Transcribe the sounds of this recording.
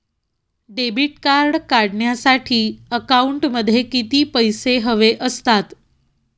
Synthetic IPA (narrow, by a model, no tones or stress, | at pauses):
ɖebiʈkaɾɽkaɽɳjasaʈʰiːəkauɳʈməd̪ʱːjekit̪iːpəjseɦəʋeʔəst̪at̪